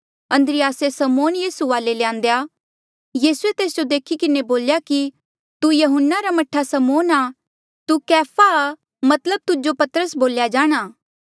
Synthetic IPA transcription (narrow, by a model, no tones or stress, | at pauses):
ɐ̃nd̪ɾɪjaːsesɐmoːnjiːsuʋaːlelejãːn̆d̪eja | jiːsuet̪eːs̬d͡ʒod̪eːkʰikɪneboːljaki | t̪ujɐɦʊnːaɾamɐʈʰasɐmoːna | t̪ukɛːpʰa | mɐt̪ləb̚t̪ʊd͡ʒopɐt̪əɾəsboːljad͡ʒaːɽ̃aː